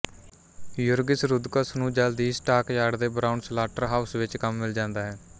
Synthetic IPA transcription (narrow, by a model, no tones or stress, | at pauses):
jʊɾɡɪsɾʊd̪kəsnũːd͡ʒəld̪iːsʈaːkjaːɽd̪eːbɾaːʊɳslaːʈəɾɦaːʊsʋɪt͡ʃkəmːɪld͡ʒãːnd̪aːɦɛː